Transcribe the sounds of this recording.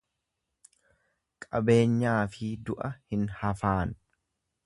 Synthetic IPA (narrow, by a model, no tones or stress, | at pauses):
kʼɐbe̞ːɲːaːfɪd̪ʊʔɐhɪnhɐfaːn